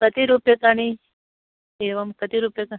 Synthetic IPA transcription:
kət̪iɾupjɐkaɽ̃i | eʋɐmkət̪iɾupjɐka

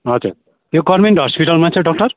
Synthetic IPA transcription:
ʌd͡zṵɾ | joɡɔɾmeɳʈɦɔspiʈalmat͡sʰʌɖɔk̚ʈʌɾ

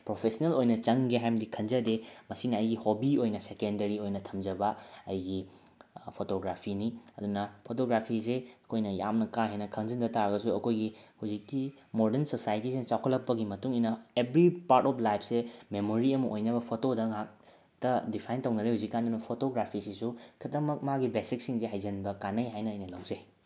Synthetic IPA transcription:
pɾopʰesɐnelojnɐt͡ʃɐŋɡeɦajmdikʰɐnzɐdemɐsinɐɐjɡihobiojnɐsekendɐɾiojnɐtʰɐmd͡ʒɐbɐɐjɡi | pʰotoɡɾapʰiniɐdunɐpʰotoɡɾapʰiseɐkʰojnɐjamnɐkaɦenɐkʰɐŋzɐndɐtaɾɐɡɐsuɐkʰojɡihuzikːi | moɾdensosajtisint͡ʃawkʰɐtlːɐpːɐɡimɐtuŋijnɐebɾipaɾtɔpʰlajpʰsememoɾiɐmɐʔojnɐbɐpʰotodɐŋak̚ | tɐdipʰajntɐwnɐɾehuzikːandunɐpʰotoɡɾapʰisisukʰɐtɐmɐk̚maɡibesik̚siŋzeɦajzɐnbɐkanɐjɦajnɐːjnɐlɐwze

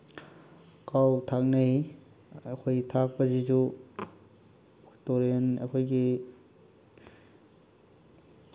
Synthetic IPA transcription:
kawtʰak̚nɐɦi | ɐkʰojɡitʰak̚pɐzizu | toɾenɐ̰kʰojɡi

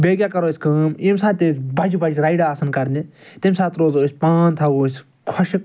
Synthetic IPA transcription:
beːɡʲjaːkɐɾoːsʲkəːmimsãːt̪ebʱɐd͡ʒubʱɐd͡ʒɾaiɖaːsɐnkɐɾnit̪imsãːt̪ɾoːzoːsʲpaːnt̪ʰɐoːsʲ | kʰɔʃi

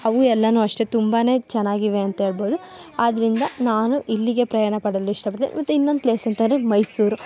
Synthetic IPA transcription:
ɐʋuɛlːɐnuːɐʂʈet̪umbaːne̞ːt͡ʃɛnːaːɡiʋe̞ɐnt̪ɐɦeːɭboːd̪u | aːd̪ɐɾind̪ɐnaːnuʔilːiɡe̞pɾɐjaːɳɐpɐɽɐlːuiʂʈɐpɐʈt̪ḭːnḭmɐt̪ːuinːo̞nd̪ukleːsɐnt̪ɐnd̪ɾemɐjsuːɾu

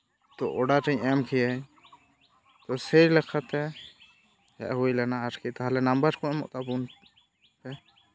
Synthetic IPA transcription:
t̪ɔʔɔɖaʈɛɲɛmkʰijɛ | t̪ɔsɛɾlɛkʰat̪ɛ | hɛ̰ʔɦuilanaaɾkʰit̪aɦalɛnambəɾkɔ̃ɛmɔ̰ʔt̪abun | pɛ

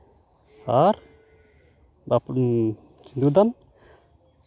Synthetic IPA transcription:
har | bap | t͡ʃind̪ud̪am

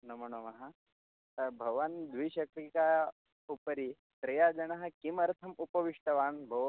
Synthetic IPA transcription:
nɐm̤əɽ̃omɐɦa | bʱɐʋand̪ʋiɕɐk̚ɾika | upəɾiː | t̪ɾɐjad͡ʒɐɳɐɦɐkimɐɾt̪ʰɐmupɐʋiʂʈɐʋaːnbʱɐʋ

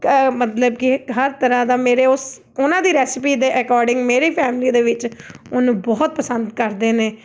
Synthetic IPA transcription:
mət̪ləb̚kɪɦəɾt̪əɾãːd̪aːmeːɾeːʊs | ʊnãːd̪iːɾɛːsɪpiːd̪eːʔɛkɔːɾɖɪ̃ŋɡmeːɾiːpʰɛːmɪliːd̪eːʋɪt͡ʃʊnũːbɔːt̪̚pəsə̃nd̪kəɾd̪eːneː

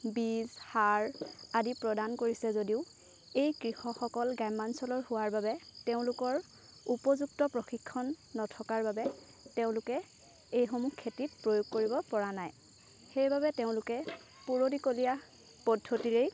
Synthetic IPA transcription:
bizhaɹadipɹɔdankoɹisɛzodiʊ | ejkɹixɔxɔkɔlɡajmansɔlɔɹhʊwaɹbabɛteʊ̃lʊkɔɹ | upɔzuk̚tɔpɹɔxikʰːɔnːɔtʰɔkaɹbabɛ | teʊ̃lʊkɛ | ejxomukʰːetit̚pɹojoɡ̚koɹibɔpɔɹanaj | xejbabɛteʊ̃lʊkɛ | puɹodikolija | pɔdʱːotiɹej

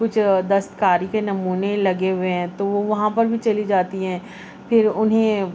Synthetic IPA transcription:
kʊt͡ʃʰd̪ɐst̪kaːɾikenɐmuːnelɐɡeʊʋeɦɛ̃t̪oʋoʋɐɦãpɐɾbʱit͡ʃɐlid͡ʒaːt̪iɦɛ̃ː | pʰɪɾʊnɦẽ

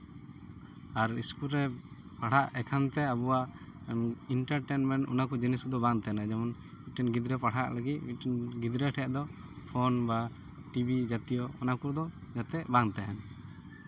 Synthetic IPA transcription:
aɾiskulɾɛpaɽ̤aʔɛkʰant̪ɛabuwaʔ | iɳʈaɾʈɛnmɛɳʈṵnakɔd͡ʒinɛsd̪ɔbaŋt̪ɛɦɛnad͡ʒamɔn | miʈɛnɡid̪ɾɛpaɽaʔlaɡit̪̚miʈɛnɡid̪ɾɛʈʰɛʔd̪ɔ | pʰɔnba | ʈibid͡ʒat̪ijɔɔ̰nakuɾd̪ɔd͡ʒat̪ɛʔbaŋt̪ɛɦɛn

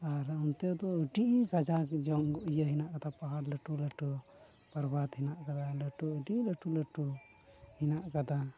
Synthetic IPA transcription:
aɾunt̪ɛɔd̪ɔəɖiʔɡad͡ʒakd͡ʒɔŋɡɔʔijəɦinaʔkat̪apaɦaɾləʈuləʈu | pəɾbat̪ɦinaʔkad̪aləʈuəɖiləʈuləʈu | hinaʔkad̪a

